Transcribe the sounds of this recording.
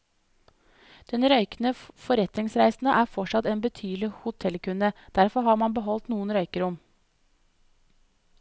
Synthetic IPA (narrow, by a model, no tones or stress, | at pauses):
d̪̥ɛnɾœʏkənəfɔɾɛt̪nɪŋsɾæɪsn̩əʔæːɾfɔʂɑt̪eːnbət̪ʰyːlɪhʊt̪ʰɛlkʰʉnəd̪̥æɾfɔɾhɑːmɑnbəɦɔlt̪nuːənɾœʏkəɾʊm